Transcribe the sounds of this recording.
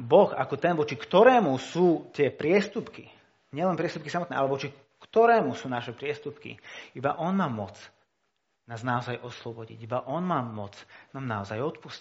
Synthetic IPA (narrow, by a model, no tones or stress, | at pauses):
bɔxa̰kɔt̪ɛnʋɔt͡ʃikt̪ɔɾɛːmusuːt̪ɪɛpɾɪɛst̪upki | ɲɪɛlɛnpɾɪɛst̪upkisamɔt̪nɛːalɛʋɔt͡ʃi | kt̪ɔɾɛːmusuːnaʃɛpɾɪɛst̪upkḭibaʔɔnmaːmʊɔt͡s | naːznaɔzajʔɔslɔbɔɟḭɟibaʔɔnmaːmɔt͡snaːmnaɔzajɔt̪pusci̥